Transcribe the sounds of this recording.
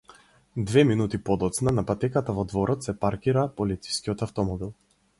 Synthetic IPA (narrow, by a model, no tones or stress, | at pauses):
d̪vɛminut̪ipɔd̪ɔt̪snanapat̪ɛkat̪avɔd̪vɔɾɔt̪sɛpaɾkiɾapɔlit̪si̥skʲiɔt̪aft̪ɔmɔbilˠ